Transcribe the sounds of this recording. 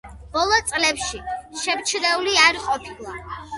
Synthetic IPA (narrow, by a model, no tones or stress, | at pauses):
b̥ɔlˠɔt̪sʼlɛpʃiʃɛmt͡ʃʰd̪ɛuliaɾiqʼɔpʰilˠa